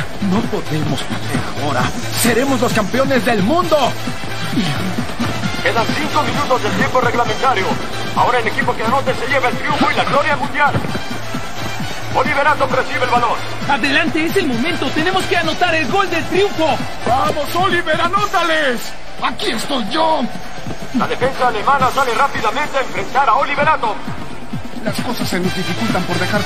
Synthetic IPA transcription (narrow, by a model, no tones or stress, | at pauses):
no̞po̞ðe̞mospetḛɾa̰o̞ɾa̰ | se̞ɾe̞mozlo̞skampeo̞nezðe̞lmũnd̪o̞ | i | keðassiŋkomĩnut̪ozðelt̪jemporeɣlamẽnt̪aɾjo | a̰o̞ɾaelekipokeanot̪ese̞ʎeβaelt̪ɾijuɱfoilaɣlo̞ɾjamũnd̪jal | oliβeɾand̪omresiβelβaloɾ | aðe̞lant̪e̞eselmõ̞mẽnt̪o̞t̪e̞ne̞mo̞ske̞ano̞t̪aɾe̞lɣo̞ld̪e̞lt̪ɾjuɱfo̞ | bamosoliβeɾanot̪ales | akie̞st̪o̞jʝo | la̰ðe̞fe̞nsaːlemanasalerapiðamẽ̞nt̪eaẽɱfɾe̞nt̪aɾaoliβeɾand̪om | lasko̞sasːenozdðifikult̪ampo̞ɾðexaɾ